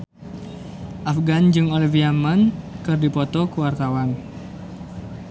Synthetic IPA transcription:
ʔafɡand͡ʒɨŋoliviamankɨrdipɔt̪ɔkuwart̪awan

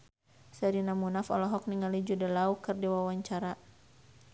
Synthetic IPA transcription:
sɛɾinamunafɔlɔɦɔk̚niŋalid͡ʒudəlaukɨrdiwawaɲt͡ʃaɾa

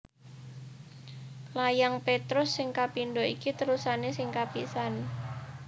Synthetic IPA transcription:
lajaŋpet̪ɾʊsːɪŋkapinɖɔʔikit̪əɾusanesɪŋkapiʔsan

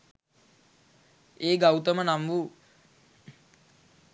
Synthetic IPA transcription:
eːɡawt̪əmənamʋu

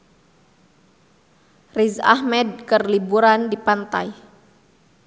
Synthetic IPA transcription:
riza̰hmɛd̚kərlibuɾandipant̪a̰j

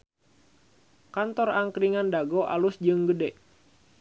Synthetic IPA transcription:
kant̪ɔraŋkɾiŋandaɡoʔa̰lusd͡ʒɨŋɡədɛʔ

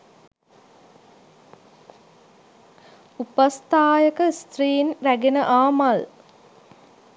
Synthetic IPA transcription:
upast̪aːjəkəst̪rɾiːnɾæɡenəʔaːmal

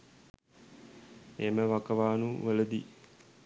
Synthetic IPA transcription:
eməʋakəʋaːnuʋələd̪ḭ

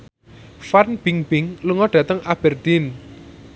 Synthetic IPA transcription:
farnb̥iŋbɪŋluŋɔɖ̥ä̤t̪əŋʔab̥ɛrd̪̥in

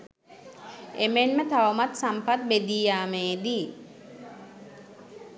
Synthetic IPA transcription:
emenmət̪aʋəmat̪sampat̪̚bed̪iːjaːmeːd̪i

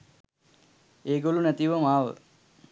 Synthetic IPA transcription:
eːɡolunæt̪iʋəmaːʋə̰

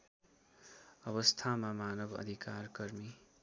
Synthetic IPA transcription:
ʌβʌst̪ʰamamanʌbʌ̰d̪ʱikarkʌrmi

